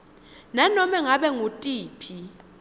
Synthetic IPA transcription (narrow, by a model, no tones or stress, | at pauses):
nanɔmɛŋaɓɛŋutʼiːpʰi